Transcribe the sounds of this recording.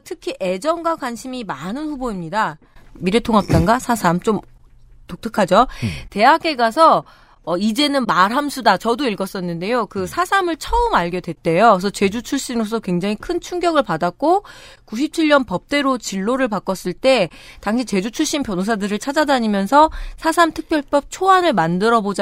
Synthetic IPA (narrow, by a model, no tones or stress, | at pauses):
tʰɯkʰiʔe̞d͡ʑʌnɡwakwanɕʰimimanɯnɸuboimɲida | miɾetʰoŋɦap̚t͈anɡasʰasʰamt͡ɕom | tok̚tʰɯkʰad͡ʑote̞ɦaɡe̞ɡasʰʌː | id͡ʑe̞nɯnmaɾɦamsʰudat͡ɕʌdoiɭɡʌs͈ʌnːɯnde̞jokɯsʰasʰamɯɭt͡ɕʰʌɯmaɭɡʌdwe̞t͈e̞josʰʌt͡ɕe̞d͡ʑut͡ɕʰuɭɕ͈inɾos̬͈ʰʌkwe̞ŋd͡ʑaŋikʰɯnt͡ɕʰuŋɡjʌɡɯɭpadak̚k͈okuɕʰip̚t͡ɕʰiɭːʌnpʌp̚t͈e̞ɾot͡ɕiɭːoɾɯɭpak͈ʌs͈ɯɭt͈e̞ | taŋɕʰit͡ɕe̞d͡ʑut͡ɕʰuɭɕ͈impjʌnos̬ʰadɯɾɯɭt͡ɕʰad͡ʑadaɲimjʌnsʰʌsʰasʰamtʰɯk̚p͈jʌɭp͈ʌp̚t͡ɕʰoanɯɭmandɯɾʌbod͡ʑ